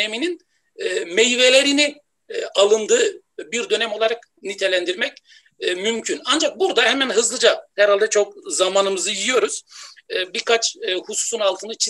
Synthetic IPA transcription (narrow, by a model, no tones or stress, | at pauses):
emininː | mejve̞lʲe̞ɾini | ʔalˠɯnd̪ɯː | biɾd̪ø̞nɛmo̞lˠaɾak | nit̪ʰe̞lʲænd̪iɾmɛcː | mymcʰynand͡ʒak̚buɾd̪ahɛmænɦɯzlˠɯd͡ʒahɛɾhalʲd̪ɛt͡ʃʰo̞k̚zamaːnɯmɯzɯjijo̞ɾuz̥biɾkʰat͡ʃːhusu̥sunalˠt̪ʰɯnɯt͡ʃʰi